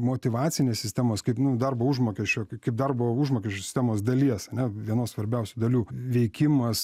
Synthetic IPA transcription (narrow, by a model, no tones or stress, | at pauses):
moːt̪ʲɪʋɑːt͡ssʲɪnʲeːssʲɪsʲt̪ʲæmoːskɐɪpnʊd̪ɐrboːuʒmoːkʲɛʃʲt͡ʃʲoːkɐɪp̚d̪ɐrboːuʒmoːkʲɛʃt͡ʃʲoːsʲɪ̥sʲtʲæmoːsd̪ɐlʲiɛsɐnʲɛʋʲiɛnoːsʋɐɾʲbʲɛʊsʲud̪ɐlʲuːʋʲɛɪkʲɪmɐs